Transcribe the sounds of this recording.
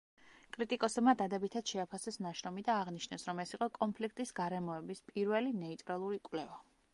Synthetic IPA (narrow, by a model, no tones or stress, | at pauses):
kʼɾit̪ʼikʼɔsɛbmad̪ad̪ɛbit̪ʰad̪̥ʃɛapʰasɛsnaʃɾɔmid̪aːʁniʃnɛsɾɔmɛsiqʼɔkʼɔnpʰlikʰt̪ʼisɡaɾɛmɔɛbispʼiɾvɛlinɛit̪ʼɾalˠuɾikʼwlɛva